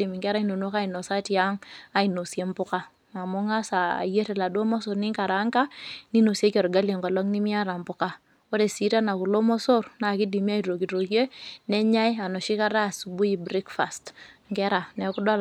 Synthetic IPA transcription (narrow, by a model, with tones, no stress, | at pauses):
i˨mi˨ŋɡɛ˦ɾa˦i˦no˨no˦ka˦i˨no˨sa˦ti˨a˦ŋa˦i˨no˨sje˦mbʊ˦ka˦ | ma˨mo˦ŋa˦sa˨a̰˨je˦ɾɛ˨la˨do˦mɔ˦so˨ɾni˦ŋka˨ɾa˨˦ŋka˦ni˦no˨se˦kɔ˨ɾɡa˦lje˨ŋɡɔ˨lɔ˦ŋni˦mi˦a˦ɾa˨mbʊ˦ka˨ | o˦ɾe˨si˦ɾa˦na˨ku˨lo˦mo˦so˦ɾna˨ki˦di˨mi˦a˦iɾo˨ki˨ɾo˨kje˦nɛ˦ɲa˦ja˨no˨ʃi˦ka˦ɾa˦˨su˨bu˦i˨bɾi˦kfa˨stŋɡɛ˦ɾa˨nɛ˨ku˦da˦